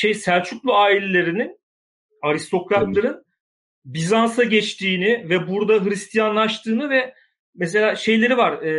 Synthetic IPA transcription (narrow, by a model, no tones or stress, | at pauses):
ʃejsæɾt͡ʃʰyklˠuaːilʲelʲe̞ɾinin | aɾist̪ʰo̞kɾat̪lˠaɾɯn | bizansaɟɛt͡ʃt̪ʰiːnɪvɛbuɾd̪aɦɯɾist̪ʰijanlˠaʃt̪ʰɯːnɯvɛ | mɛs̬e̞lʲaːʃe̞jlʲe̞ɾivaɾ